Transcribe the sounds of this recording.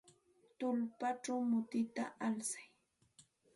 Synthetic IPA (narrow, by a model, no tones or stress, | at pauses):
t̪ʊlpaʈ͡ʂawmʊt̪ɪt̪a̰ʔalsḁj